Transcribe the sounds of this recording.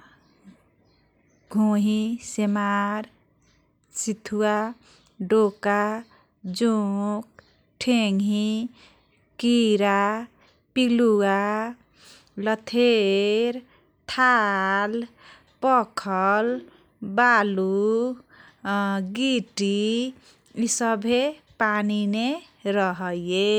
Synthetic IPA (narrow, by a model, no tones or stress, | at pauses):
ɡʱoɦisemaɾ | sit̪ʰua | ɖoka | d͡ʒuk̚ | ʈʰeŋʱi | kiɾa | pilua | lʌt̪ʰeɾ | t̪ʰal | pɔkʰʌl | balu | ɡiʈi | isʌbʱepanine | ɾʌɦʌje